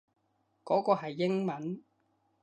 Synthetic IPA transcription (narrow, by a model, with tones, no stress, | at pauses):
kɔː˨˥kɔː˧ɦɐ˨jːɪ˥ŋmɐ˨˦n